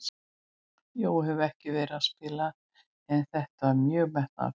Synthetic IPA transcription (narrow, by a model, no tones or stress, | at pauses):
joːwɦɛvɛhcɪvɛːɾɪðaspɪːla | ɛnθɛht̪avaɾmjœːɣmɛht̪na̰